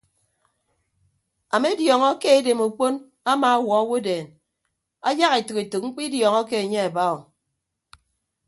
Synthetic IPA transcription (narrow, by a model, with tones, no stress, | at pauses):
a˨me˦djɔ˨ŋɔ˦ke˦e˦de˨mu˨k͡po˦n | a˦ma˨a˦wɔ˨a˦wo˦deː˨n | a˦ja˦ɣe˨tɨ˨ke˨to˨k̚ŋ͡m̩˦k͡pi˦djɔ˨ŋɔ˦ke˦e˨ɲe˦a˨ba˦ɔ˨